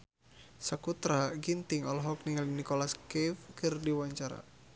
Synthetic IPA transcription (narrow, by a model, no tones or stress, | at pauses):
sakut̪ɾaɡint̪iŋɔlɦɔk̚niŋalinikɔlaskɛfkɨrdiwaɲt͡ʃaɾa̰